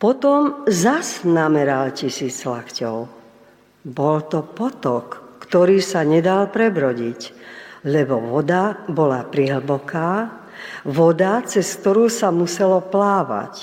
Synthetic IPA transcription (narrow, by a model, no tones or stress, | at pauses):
pɔt̪ɔmzaznamɛɾalcisiːt͡slaxcɔ̰ʊ | bɔlt̪ɔpɔt̪ɔkːt̪ɔɾiːsaɲɛd̪alpɾɛbɾɔɟiclɛbɔʋɔd̪abɔlapɾiɦl̩bɔkaː | ʋɔd̪at͡sɛskt̪ɔɾuːsamusɛlɔplaːʋa̰c